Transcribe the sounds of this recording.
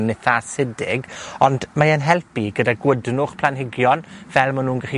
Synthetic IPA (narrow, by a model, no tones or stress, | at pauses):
nɪθasɪdɪɡɔndmaənɦɛlˠpiɡədaɡwədnʊχpʰlˠanɦɪɡjɔnvɛlˠmanuːnɡaχi